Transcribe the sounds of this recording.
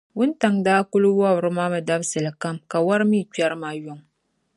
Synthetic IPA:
wʊ˦n˦ta˨ŋdaː˦kʊ˦lʊ˦wɔ˦bɾɨ˦maː˦mɨ˨da˦bsɨ˨lɨ˨ka˦mka˨wa˦ɾɨ˦miː˦˨t͡ʃa˦ɾɨ˦maː˦jʊ˦ŋ

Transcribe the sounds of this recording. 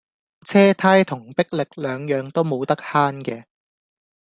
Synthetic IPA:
t͡sʰɛː˥t̪ʰaː˥jt̪ʰʊ˨˩ŋpɪ˥k̚lɪ˨k̚lœː˨˧ŋjœː˨˧ŋt̪o˥wmo˨˧wt̪ɐ˥k̚haː˥nkɛː˧

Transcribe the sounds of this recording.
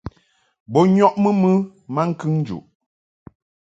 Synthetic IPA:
bɔ˦ɲɔ˦ʔmə˦mɨ˦ma˦ŋ̩˦kɨ˦ŋn˦d͡ʒṵ˨ʔ

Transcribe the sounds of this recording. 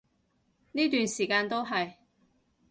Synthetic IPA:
niː˥t̪yː˨nsiː˨˩kaː˧nt̪o˥wɦɐ˨j

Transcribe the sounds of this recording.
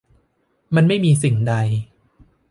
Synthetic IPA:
ma˧nma˥˩jmiː˧si˨˩ŋda˧j

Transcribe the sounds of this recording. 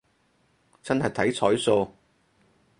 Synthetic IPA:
t͡sɐ˥nɦɐ˨jt̪ʰɐ˨˥jt͡sʰɔː˨˥jso˧w

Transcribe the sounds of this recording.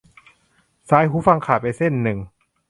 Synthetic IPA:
saː˦˥jhɦuː˦˥fa˧ŋkʰaː˨˩jpa˧jse˥˩nːɯ˨˩ŋ

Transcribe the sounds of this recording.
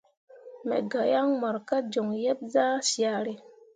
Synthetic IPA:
mḛ˨ɡa˨ja˦ŋma˨ɾka˦d͡ʒo˨ŋje˦p̚za˦sja˨ɾe˨

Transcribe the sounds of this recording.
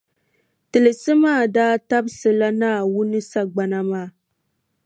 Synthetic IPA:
tɨ˨lɨ˨sɨ˦maː˦˨daː˦ta˦bsɨ˨la˦naː˦˨wʊ˦nɨ˦sa˨ɡ͡ba˨na˦maː˦˨

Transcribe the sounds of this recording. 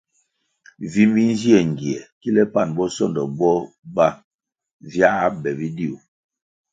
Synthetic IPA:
vi˦mbi˦n˦zi˦ɛ˨ŋ˨ɡi˨ɛ˨ki˦lɛ˦pa˦˨nbɔ˦sɔ˦˨ndɔ˨bɔ˦ | ba˦˨ | vja˦a˦bɛ˨vi˦di˦u˨

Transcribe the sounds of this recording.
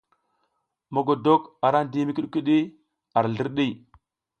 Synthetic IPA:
mo˨ɡo˨do˦ka˨ɾa˦ndi˦mi˦ki˦ɗki˦ɗi˦ | a˨ɾɮi˦ɾɗi˦˨

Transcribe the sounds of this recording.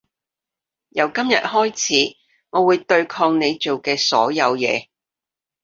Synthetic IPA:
jɐ˨˧wkɐ˥mjɐ̰˨t̚hɔː˥jt͡sʰiː˨˥ | ŋɔː˨˧wuː˨˧jt̪ɵ˧ɥkʰɔː˧ŋne˨˧jt͡ʃo˨wkɛː˧sɔː˨˥jɐ˨˧wjɛ̰ː˨˧

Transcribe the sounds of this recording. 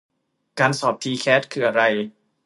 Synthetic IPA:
kaː˧nsɔː˨˩p̚t̪ʰiː˧kʰɛː˦˥t̪̚kʰɯː˧ʔa˧ɾa˧j

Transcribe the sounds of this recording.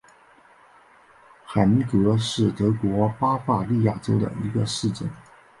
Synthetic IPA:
xa˨˩ni˥kɤ˧˥ʂɻ̩˥˩t̪ɤ˧˥kwɔ˧˥pa˥fa˥˧li˥˧ja˥˩ʈ͡ʂo˥ʊd̪ə̰˨˩i˧˥ɡə˧ʂɻ̩˥˩ʈ͡ʂə˥˩n

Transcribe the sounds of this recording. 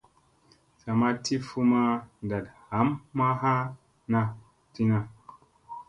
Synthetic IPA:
sa˨ma˦tʰi˦fu˦ma˦n˨da˨tha˨˦mːa˦ɦa˦ | na˧ | ti˦na˧

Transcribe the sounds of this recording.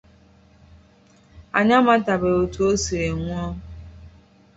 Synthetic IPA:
a̰˨ɲa˦ma˦ta˨be˨o˨tu˦o˦si˨ɾe˨ŋʷu˦ɔ˦

